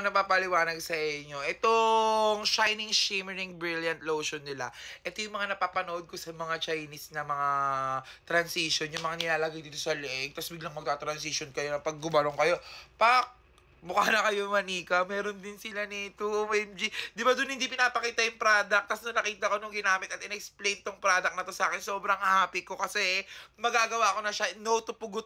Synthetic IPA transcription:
nɐpaːpɐlɪwaːnɐɡ̚sɐʔɪɲːo̞ʔɛt̪oŋʃajnɪŋʃɛmɛɹɪŋbɹɪljɐnt̪̚lowʃonːɪla̰ʔɛt̪o̞jʊŋmɐŋanɐpaːpɐnoʔod̪̚ko̞sɐmɐŋat͡ʃajnɪsnɐmɐŋa | t̪ɾɐnsiʃonjʊŋmɐŋanɪlaːlɐɡajd̪iːt̪osɐlɛʔɛɡ̚t̪ɐsbɪɡlɐŋmɐɡ̚t̪aːt̪ɾɐns̬iʃonkɐjo̞nɐpɐɡ̚ːʊbɐloŋkɐjo̞pɐk̚ | mʊkaːnɐkɐjomɐniːkɐmɛːɾo̞nd̪ɪnsɪlanit̪uowɛmd͡ʒid̪ɪbad̪ʊnhɪnd̪ipɪnaːpɐkiːt̪ɐjʊŋpɾaːd̪ɐk̚t̪ɐsnɐnɐkiːt̪ɐko̞nʊŋɡɪnaːmɪt̪ɐt̪ɪnɛksplejnt̪oŋpɾaːd̪ɐk̚nɐt̪o̞sɐaːkɛnso̞ːbɾɐŋhaːpɪko̞kɐsɛmɐɡaːɡɐwaʔɐko̞nɐʃanot̪ʊpʊɡʊt̪̚

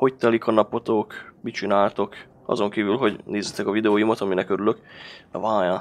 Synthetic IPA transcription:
ho̞ct̪ɛlikʰɒnɒpo̞t̪okmit͡ʃinaːlt̪o̞k | ɒ̰zo̞ŋkiːvylɦo̞ɟneːzet̪ɛkɒvid̪ɛoːjumɒt̪ɒminɛkø̞ɾylø̞k̪ɛ̰vaːja

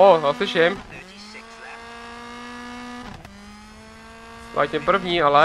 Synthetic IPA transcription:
oɦasɪʃɛm | ʔa̰ːc̪ɛmpr̩vɲiːalɛ

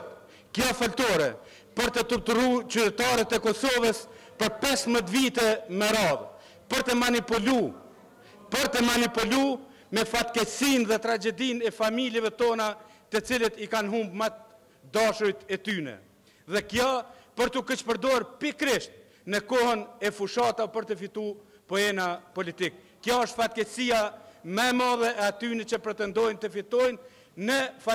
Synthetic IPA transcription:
kjɔfɔlt̪ɔɾɛ | pəɾt̪ət̪uɾt̪uɾut͡ʃyt̪ɛt̪aɾət̪ɛkɔsɔvəspəɾpɛsmət̪vit̪ɛmɛɾað | pəɾt̪əmanipulu | pəɾt̪əmanipulu | mɛfat̪kɛsinðɛt̪ɾad͡ʒɛd̪inɛfamiljɛvɛt̪ɔnat̪ət͡silət̪ikanɦumbmat̪̚ | d̪aʃujt̪ɛt̪ynɛ̰ | ðɛkjapəɾt̪ukət͡ʃpəɾd̪ɔaɾpikɾiʃt̪̚ | nəkɔhənɛfuʃat̪apəɾt̪əfit̪u | pɔɛnapɔlit̪ikːjaəʃt̪fat̪̚kɛsiamɛɛmaðɛɛat̪ynɛt͡ɕəpɾɛt̪ɛnd̪ɔjnt̪əfit̪ɔjnː | əfa

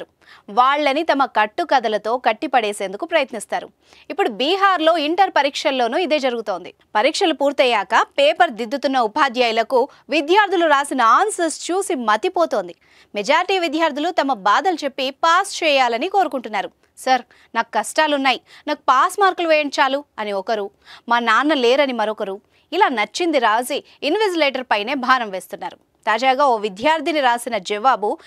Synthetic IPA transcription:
ɾu | ʋaːɭːɐnit̪ɐmɐkɐʈːukɐd̪ɐlɐt̪o̞ːkɐʈːipɐɽeːse̞ːnd̪ukupɾɐjɐt̪nist̪aːɾṵ | ipːuɽubiːɦaːɾlo̞ːiɳʈɐɾpɐɾiːkʂɐlːo̞ːnuːid̪e̞ːd͡ʒɐɾuɡut̪o̞ːnd̪i | pɐɾiːkʂɐlupuːɾt̪ɛjaːkɐpeːpɐɾd̪id̪ːut̪unːɐupaːd̪jaːjulɐku | ʋid̪ʱjaːɾd̪ʱuluɾaːsinɐaːnsɐst͡ʃuːsimɐt̪ipo̞ːt̪o̞ːnd̪i | mɛd͡ʒaːɾiʈiːʋid̪ʱjaːɾd̪ʱilut̪ɐmɐbaːd̪ɐlut͡ʃe̞pːipaːst͡ʃɛːjaːlɐniko̞ːɾukuɳʈunːaːɾu | sɐɾ | naːkukɐsʈaːlunːaːjinaːkupaːsmaːɾkɐluʋeːjɐɳt͡ʃaːluɐniɔkɐɾu | maːnaːnːɐleːɾɐnimɐɾɔkɐɾu | ilaːnɐt͡ʃːind̪iɾaːsiː | nʋesileːʈɐɾpɐjne̞ːbʱaːnɐmʋe̞ːst̪unːaːɾu | t̪aːd͡ʒaːɡaːoːʋid̪ʱjaːɾt̪ʰiniɾaːsinɐd͡ʒɛʋaːbu

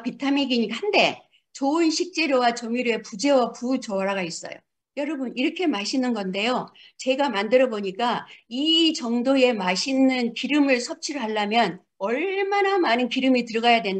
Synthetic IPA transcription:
pitʰamiɡiɲihande̞ | t͡ɕoɯnɕʰik̚t͡ɕ͈e̞ɾjowat͡ɕʌŋiɾoe̞pud͡ʑe̞waput͡ɕʌaɾaɡais͈ʌ̰jo̰ | jʌɾʌbɯniɾʌkʰe̞maɕʰinɯnɡʌnde̞jot͡ɕe̞ɡamandɯɾʌboɲik͈ait͡ɕʌŋdoe̞maɕʰinɯnkiɾɯmɯɭsʰʌp̚t͡ɕʰiɾɯɦaɭːamjʌn | ʌɭmanamanɯnkiɾɯmitɯɾʌɡajadwe̞n

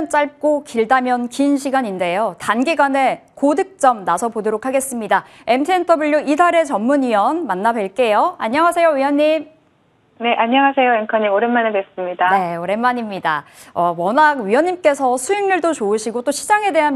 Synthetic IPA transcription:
nt͡ɕ͈aɭp̚k͈okiɭdamjʌnkinɕʰiɡaɲinde̞jotanɡiɡwane̞kodɯk̚t͡ɕ͈ʌmnasʰʌpodoɾokʰaɡe̞s͈ɯmɲida | e̞mtʰɯentʰʌbuɭːoʔidaɾe̞t͡ɕʌmːuɲiʌnmanːabeɭk͈e̞joaɲːʌŋasʰe̞joɥiʌɲːim | ne̞ʔaɲʌŋasʰe̞joemkʰaɲimoɾenmanedes͈ɯmɲidaneoɾe̞nmːaɲimɲida | ʌwʌnakɥijʌɲːimk͈e̞sʰʌsʰuiŋnɯɭdot͡ɕoɯɕʰiɡot͈oɕʰid͡ʑaŋe̞de̞ɦan

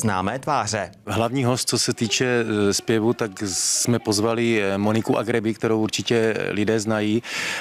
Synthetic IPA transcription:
znaːmɛːt̪vaːr̝ɛ | ɦlavɲiːɦo̞st̪̚t͡so̞sɛt̪iːt͡ʃɛspjɛvut̪aksmɛpo̞zvalɪmonɪkuʔaɡɾɛbɪkt̪ɛɾowʔuɾt͡ʃɪcɛlɪdɛːznajiː

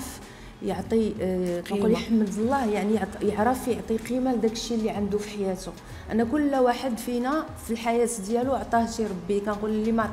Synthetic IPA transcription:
f | jəʕt̪ˤikænulħəmːəd̪əlˤːɑhjaʕnijjəʕɾˤəfjəʕt̪ˤiqimæld̪ækəʃːilːiʕand̪ufiħajæt̪u | ʔæ̰nːækʊlːwaħəd̪finæ | filħajæt̪d̪jæluoʕt̪ˤɑhʃiɾˤɑbːikænqullːimaʕ

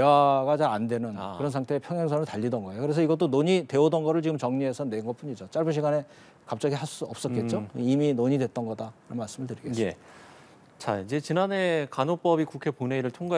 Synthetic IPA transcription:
ewaɡad͡ʑaandwe̞nɯnkɯɾʌnsʰaŋtʰe̞pʰjʌŋjaŋsʰʌnɯɭtaʎːidʌnɡʌejokɯɾe̞s̬ʰʌiɡʌt͈onoɲitwe̞odʌnɡʌɾɯɭt͡ɕiɡɯmt͡ɕʌŋɲiɦe̞sʰʌnwe̞nɡʌp͈uɲid͡ʑot͡ɕ͈aɭbɯnɕʰiɡane̞ | kap̚t͡ɕ͈ʌɡiɦaɭs͈uʌp̚s͈ʌtk͈e̞t̚t͡ɕ͈oiminoɲidwe̞t͈̚ʌnɡʌdaɾannmaɭs͈ɯmɯɭtɯɾiɡes | t͡ɕaid͡ʑe̞t͡ɕinane̞kanop͈ʌbikukʰe̞poneiɾɯɭtʰoŋɡa

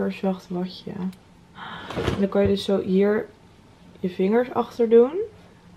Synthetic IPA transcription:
əɹsʋɑχtʋɑçə̰ | ɛndɑkɑjədɵsːowɦiːɹ | jəvɪŋəɹsɑ̰χtəɹdun

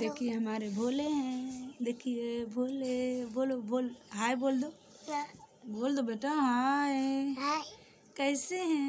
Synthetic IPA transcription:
d̪eːkʰieɦəmaːɾebʱoːleɦɛ̃d̪eːkʰijebʱoːleboːlobʱoːlɦaeboːld̪o | boːld̪obeːʈaɦae | kəɪseɦɛ̃

